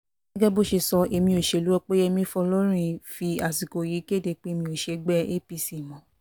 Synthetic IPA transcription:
ɡ̥ɛ˦ɡɛ˦bo˦ʃe˧sɔ˧e˧mĩ˧o˨ʃe˧˨lu˨˦ɛ˧k͡pe˦e˧mĩ˧˦fɔ˧lɔ˦ɾ̃ĩ˧fi˧a˨si˨ko˨ji˨˦ki˦e˦˨de˧k͡pe˦˧mĩ˧o˨ʃe˧ɡ͡bɛ˦e˦pi˧si˨mɔ̃˨˦

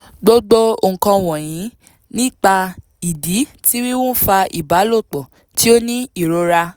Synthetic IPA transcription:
ɡ͡bo˦ɡ͡bo˦o˨ŋ̩˨kã˧w̃ɔ̃˨j̃ĩ˨˦ | nĩ˦˨k͡pa˧ | i˨di˨˦ti˦wi˦wɔ̃˦fa˧ḭ˨ba˨˦lo˦˨k͡pɔ˨ | ti˦o˦nĩ˦i˦˨ɾo˨˦ɾa˧

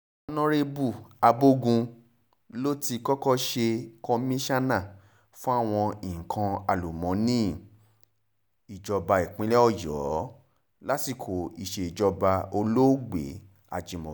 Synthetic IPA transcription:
nɔ̃˦ɾe˦bu˦˨a˧bo˦ɡũ˧ | lo˦ti˧kɔ˦kɔ˦ʃe˧kɔ˧mĩ˦ʃa˦nã˦˨ | fũ˦a˦˨w̃ɔ̃˧i˨kʰã˧a˨lu˨mɔ̃˨˦nĩ˦ | i˨d͡ʒɔ˧ba˧i˨k͡pĩ˨˦lɛ˦ɔ˦˨jɔ˨˦ | la˦ti˦˨kʰo˨i˨ʃe˨i˨d͡ʒɔ˧ba˧o˧lo˦ɡ͡bḛ˨˦ | a̰˨d͡ʒĩ˨mɔ̰̃˨

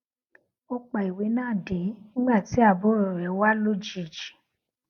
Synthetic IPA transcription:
o˧k͡pa˨i˨we˨˦nãː˦˨de˨˦nĩ˦ɡ͡ba˦˨ti˨˦a˦˨bo˦ɾo˨ɾɛ˨˦wa˦lo˦d͡ʒi˦˨d͡ʒi̥˨

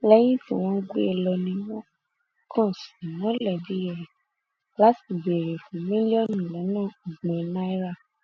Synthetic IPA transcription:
lɛ˦j̃ĩ˦fũ˦˨w̃ɔ̃˦ɡ͡bḛ˦e˧˨lɔ˧nĩ˧˦wɔ˦ | kʰɔ̃˦˨si˨mɔ̃˨˦lɛ˦˨di˨˦jɛ˦˨ɾ | la˨˦si˦˨be˨ɾe˨fũ˨˦mĩ˦li˦ɔ˦˨nũ˨lɛ˨˦nãː˦˨u˨ɡ͡bɔ̃˨˧˦nã˦i˦ɾa˦˨

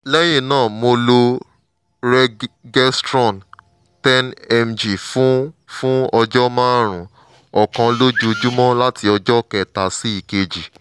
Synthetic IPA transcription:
lɛ˦j̃ẽ˦˨nãː˦˨mo˧lo˧ | ɾɛ˦ɡɛ˦stɾɔ̃˦˨n | tɛ˦nɛ˧md͡ʒi˨fũ˦fũ˦ɔ˧d͡ʒɔ˦mã˦ɾ̃ũ˨ | ɔ˨kã˧lo˦d͡ʒu˦˧d͡ʒu˦mɔ̃˦la˦tʰi˧ɔ˧d͡ʒɔ˦kɛ˨ta˨si˦i˨ke˧d͡ʒi˨

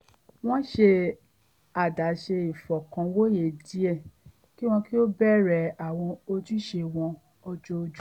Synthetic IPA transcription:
w̃ɔ̃˦ʃe˧ | a˨da˨˦ʃe˧i˨fɔ˨kã˨˧wo˦je˨di˨˦e˦˨ | ki˦w̃ɔ̃˧ki˦o˦bɛ˦˨ɾɛ˨a˨w̃ɔ̃˧o˧ti˦ʃe˧w̃ɔ̃˧ | ɔ˧d͡ʒo˦˧d͡ʒu˦

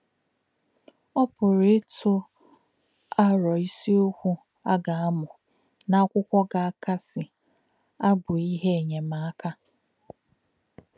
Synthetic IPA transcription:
ɔ˦pʊ˨ɾe˦tʰʊ˦ | a˦ɾɔ˨i˦si˦o˦kʷu˦ | a˦ɡa˨a˦mʊ˨ | na˨a˦kʷʊ˦kʷɔ˦ɡa˨a˦ka˦sɪ˨ | a˦ɡʊ˨i˦ɦe˦e˨ɲe˨ma˨a˦ka˦

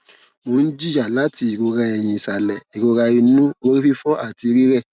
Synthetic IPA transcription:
mo˨˦n̩˦d͡ʒi˦˨˦a˨la˨˦ti˧i˨ɾo˧ɾa˧ɛ˨j̃ĩ˧˨sa˨lɛ˨i˨ɡo˧ɾa˧i˧nũ˦o˦ɾi˦fi˦fɔ˦ʔa˦˨ti˧ɾi˦ɾɛ˦˨

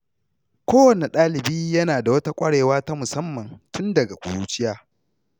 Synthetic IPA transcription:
kʷoː˦wɐ˨ni˨ɗaː˦lɪ˨biː˦jɐ˦naː˨da˨wɐ˦ta˦kʷʼɐ˦ɽeː˨waː˦ta˦mʊ˨sɐ˦mːɐ˨ŋtʊ˦ndɐ˨ɡa˨kʷʼʊ̰˨ɾuː˦t͡ʃɪ˦jaː˦

